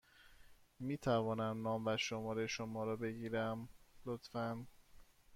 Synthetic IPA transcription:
miːt̪ʰævɒːnæmnɒːmvæʃomɒːɾeʃomɒːɾɒːbe̞ɟiːɾæmlot̪fæn

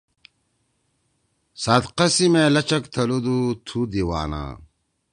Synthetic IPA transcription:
sad̪qɐsimeːlɐt͡ɕɐkt̪ʰɐlud̪ut̪ʰud̪iwa̰ːna̰ː

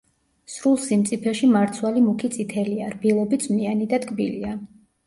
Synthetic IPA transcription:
sɾulˠsimt̪sʼipʰɛʃimaɾt̪sʰwalimukʰit̪sʼit̪ʰɛliaɾbilˠɔbid̪sʼmnianid̪ad̪ɡʼbḭlia

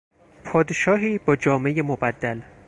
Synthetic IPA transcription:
pʰɒːd̪eʃɒːɦiːbɒːd͡ʒɒːme̞jemobæd̪ːæl

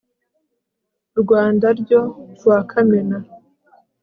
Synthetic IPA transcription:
ɾɡwaːndaɾɟo̞ɾwakʰamena

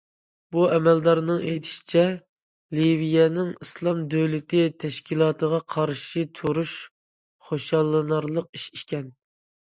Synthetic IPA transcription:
b̥uɛmɛld̪ɑɾnɨŋejt̪ʰi̥ʃi̥t͡ʃʰɛ | livijɛnɪŋislˠɑmd̪øwlɪt̪ʰɪt̪ʰɛʃkʲilˠɑːt̪ʰəʁɑqʰɑɾʃit̪ʰuɾuʃ | χoʃɑlˠːɨnɑɾlˠəqiʃikʲɛn

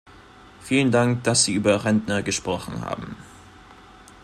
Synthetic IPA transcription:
fiːləndaŋkd̥asz̥iːʔyːbɐʁɛndnɐɡəʃpʁ̥ɔχn̩ha̰ːbm̩

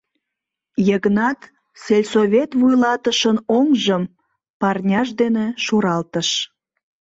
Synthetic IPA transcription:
jəɣənɑt̪ | selʲsoβʲet̪βujlɑt̪əʃənoŋʒəm | pɑrnʲɑʃd̪eneʃuɾɑlt̪əʃ

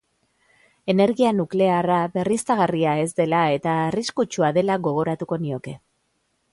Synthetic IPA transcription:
e̞ne̞ɾɣianukle̞araβe̞rist̪aɣ̞ariae̞zd̪e̞lae̞t̪aːriskut͡ʃuaðe̞laɣo̞ɣ̞o̞ɾat̪uko̞nio̞ke̞

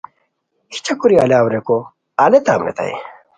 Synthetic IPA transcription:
hi̥t͡ɕʰɐkuɾialaːwɾeko | alet̪aːmɾḛt̪a̰j̰

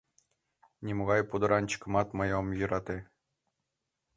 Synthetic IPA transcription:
nʲimoɣɑjpud̪ɤ̆ɾʔɑnʲt͡ɕkɤ̆mɑt̪mɤ̆jomjɤɾɑt̪e

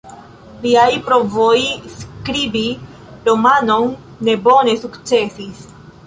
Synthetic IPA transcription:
liajpɾo̞vojskɾibi | ɾomano̞nː | e̞bo̞ne̞sukt͡se̞sis

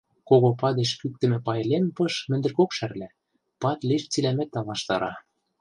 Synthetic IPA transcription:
koɣopɑd̪eʃkyk̚t̪ɘ̆mɘ̆pɑjlempɤʃmɘ̆nd̪ɘ̆rkokʃærlæ | pɑt̪liʃt͡silæmæt̪ːɑlɑʃt̪ɑ̰ɾɑ̰

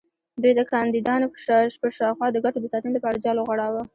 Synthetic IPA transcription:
d̪ujd̪əkɑnd̪id̪ɑnopəʃɑʃpəʃɑwxwɑd̪əɡaʈod̪əsɑt̪ənləpɑɾad͡ʒɑloɣaɽɑwa

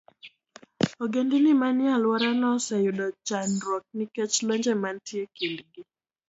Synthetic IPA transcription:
oɡendinimanɪalwaɾanɔsɛjʊdɔt͡ʃanɾɔk̚nɪkɛt͡ʃlɔɲd͡ʒɛmantjekindɡi

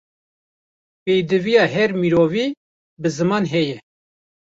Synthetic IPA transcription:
pejd̪ɨvijɑːɦɛɾmiɾoːviː | bɨzɨmɑːnɦɛjɛ

